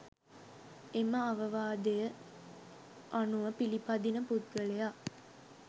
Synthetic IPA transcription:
eməaʋɐʋaːd̪ejə | ʔanuʋəpilipad̪inəput̪ɡəɭejaː

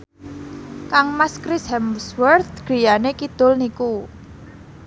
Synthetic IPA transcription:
kaŋmaskɾɪshɛmswərt̪̚ɡ̥i̤janekid̪̥ʊlniku

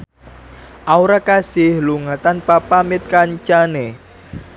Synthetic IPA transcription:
ʔauɾakasɪhluŋat̪anpapamɪt̪̚kaɲt͡ʃane

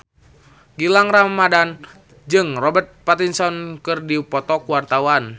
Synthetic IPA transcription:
ɡilaŋramːadan | d͡ʒɨŋrɔbɛrt̪̚pat̪insɔnkɨrdipɔt̪ɔkuwart̪awan

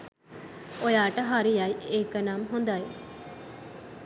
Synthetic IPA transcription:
ojaːʈəɦaɾijajeːkənamɦond̪aj

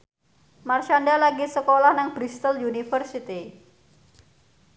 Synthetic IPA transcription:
marʃandalaɡisəkolahnaŋbɾist̪əljunifərsit̪i

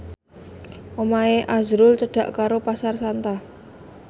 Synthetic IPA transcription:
ʔomaeʔazɾʊlt͡ʃəɖ̥ä̤ʔkaɾopasarsant̪a

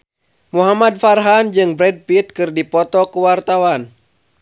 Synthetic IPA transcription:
muɦamad̪̚farɦand͡ʒɨŋbɾɛd̚pit̪̚kɨrdipɔt̪ɔkuwart̪awan

